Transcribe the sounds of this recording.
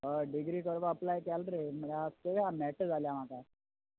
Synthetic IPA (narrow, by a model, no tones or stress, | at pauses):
ɦəɖiɡɾiːkəɾʋaəplajkalɾeməlat̪əɦamɛʈd͡zaljam̤aka